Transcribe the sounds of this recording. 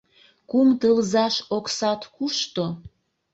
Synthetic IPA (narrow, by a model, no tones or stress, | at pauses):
kumt̪əlzɑʃoksɑt̪kuʃt̪o